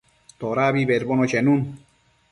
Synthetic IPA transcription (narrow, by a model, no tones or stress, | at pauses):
t̪oɾaːbibeɾbonot͡ɕenun